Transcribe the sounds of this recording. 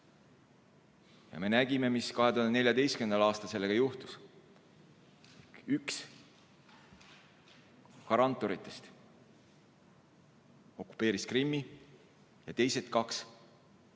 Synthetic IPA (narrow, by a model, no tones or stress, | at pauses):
jɑ̰me̞næɡ̥ime̞miskɑɦe̞t̪uhɑnenelʲjɑd̪e̞jstkymend̪ɑlɑːst̪ɑlse̞lːe̞ɡ̥ɑjuht̪u̥s | yks | kɑɾɑnt̪ːˑo̞ɾit̪ːˑe̞st̪ | o̞kːu̥pːˑe̞ːɾiskrimːi | jɑt̪e̞jse̞t̪kɑks